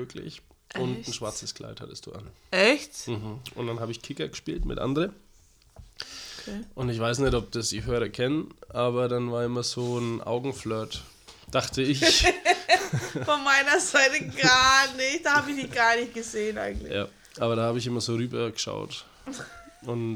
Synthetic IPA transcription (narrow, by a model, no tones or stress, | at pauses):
møkʰlɪ̰ç | ʊntn̩ʃvaɐt͡səskl̥a̰ɪtha̰təstd̥ṵːʔa̰nɛçtm̩hm̩ʔʊ̰ntd̥anhaːbəɪçkʰɪkɐɡəʃpiːltmɪ̰tʔa̰ndəʁən | ʔʊntɪçv̥aɪsnɛtɔp̚d̥asd̥iːɦøːʁɐkʰɛnənʔaːbɐɾanvaːɐɪmɐzoːnʔa̰ʊɡŋ̩flœːɐt | d̥aχtəɪç | fɔnmaɪnɐzaɪtəɡaːnɪçt̚d̥aːhaːbɪçdiɡ̥aɐnɪçt̚ɡ̥əzeːənʔa̰ɪɡŋ̩tlɪja̰ː | ʔaːbɐɾaːhaːbəɪçɪmɐzoːʁyːbɐɡəʃa̰ʊt | ʔʊn